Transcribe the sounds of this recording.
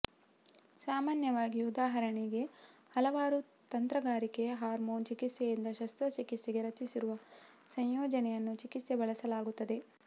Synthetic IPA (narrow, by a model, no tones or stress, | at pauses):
saːmaːnjɐʋaːɡiud̪aːɦɐɾɐɳiɡe̞hɐlɐʋaːɾu | t̪ɐnt̪ɾɐɡaːɾikeɐɦaːɾmoːnt͡ʃikit̪sejind̪ɐʃɐst̪ɾɐt͡ʃikit̪seɡeɾɐt͡ʃ̪isiɾuʋɐ | sɐɲjoːd͡ʒɐnɛjɐnːut͡ʃikit̪sebɐɭɐsɐlaːɡut̪ːɐd̪e̞